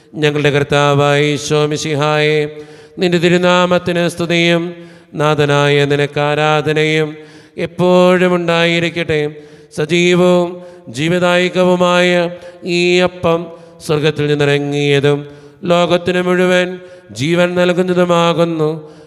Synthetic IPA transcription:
ɲɐŋːɐɭɨɽe̞krt̪ːaːʋaːjiɕoːmiɕiɦaːje | nindet̪iɾuðaːmɐt̪ːinɨst̪ʰɐðijum | naːd̪ʱɐnaːjɐninɐkːaːɾaːd̪ʱɐnɐjum | epːoːɻumuɳɖaːjiɾikʲːɐʈːe | sɐd͡ʑiːʋɐʋumd͡ʑiːʋiðaːjɣɐʋumaːjɐiːɐpːɐm | swɐrɡɐt̪ːilninːirɐŋːijɐðum | lo̞ːɡɐt̪ːinɨmuɻuʋan | d͡ʑiːʋɐnnɐlkːunːɐðumaːɣunːu

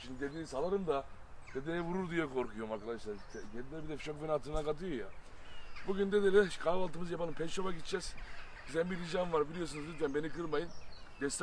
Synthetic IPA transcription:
ʃimd̪id̪ed̪iːisalˠaɾɯmd̪a | d̪̥ed̪ejɛvuɾuɾd̪ijɛkʰo̞ɾkʰujomaɾkʰad̪aʃlˠaɾʰ | ɛɟelʲid̪ʲɛbid̪ɛfit͡ʃokvenat̪ʰɯnakat̪ʰɯjoja | buɟʲynd̪ed̪elʲɛʃkʰavalˠt̪ɯmɯzjapʰalˠɯmpʰɛt͡ʃobakit͡ʃd͡ʒɛz̥bizæmbiɾid͡ʒanvaɾbilʲijos̬unuzynʰʲænbe̞nikɯɾmajɯnd̪ɛst̪

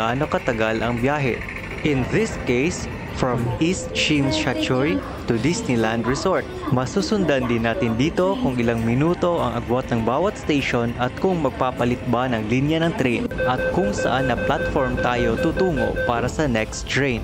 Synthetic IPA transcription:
ʔaːno̞kɐt̪ɐɡalʔɐŋbjaːɦɛ̰ | ʔɪnðɪskejs | fɹɐmʔist̪ʃimʃat͡ʃuɹi | t̪ʊd̪isnɪland̪ɹɛsoɹt̪̚mɐsusʊnd̪ɐnd̪ɪnːaːt̪ɪnd̪iːt̪o̞kʊŋɪlaŋmɪnuːt̪o̞ʔɐŋʔɐɡwat̪̚nɐŋbaːwɐt̪̚st̪ejʃonɐt̪̚kʊŋmɐɡ̚paːpɐlɪt̪̚banɐŋlinjɐnɐŋt̪ɾɛjnʔɐt̪̚kʊŋsɐ̰ʔanːɐplat̪foɹmt̪aːjo̞t̪ut̪uːŋo̞̰ʔpaːɾɐsɐnɛkst̪ɹejn

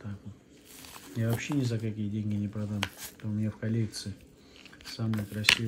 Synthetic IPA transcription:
t̪ak̪ | javɐpɕːenʲɪzəkɐkʲijədʲenʲɡʲɪnʲɪpɾɐd̪amt̪omʲɪnʲafkɐlʲek̚t̪sɨɪ | samɨjəkɾɐsʲi

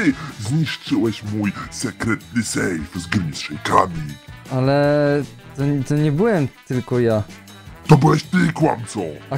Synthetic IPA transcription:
zɲiʂt͡ʂɘwɛɕmujsɛkɾɛt̪lɘsɛjfzɡɾmʲisʂɛjkamʲialɛ | t̪ɔt̪ɔɲɛbɘwɛmt̪ɘlkɔja | t̪ɔbɨwɛɕt̪ɪkwa̰mt̪sɔa

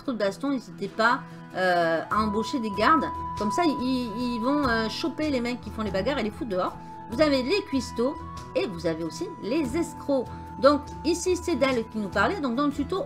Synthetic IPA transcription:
t̪χod̪əbast̪ɔ̃izit̪ɛpa | øaɑ̃boʃed̪eɡaʁd̪kɔmsaiiilvɔ̃øʃɔpelemɛkkʲːifɔ̃lebaɡaʁelefud̪əɔʁ | vuzavelekʲɥist̪o | evuzaveosilezɛskχo | d̪ɔ̃k | isised̪ɛlkʲinupaʁlɛd̪ɔ̃k̚d̪ɑ̃ləsyt̪o

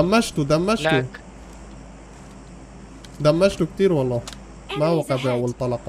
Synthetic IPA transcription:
æmːæʃt̪ud̪æmːæʃt̪u | d̪æmːæʃt̪uk̚t̪iːɾwɑlˤːɑː | mæwæqæbiʔæwalt̪ˤɑlɑq

